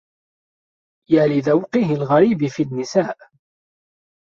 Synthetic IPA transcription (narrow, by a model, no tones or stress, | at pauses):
jaːlɪðawqɪɦɪlɣaɾiːbɪfinːɪsaːʔ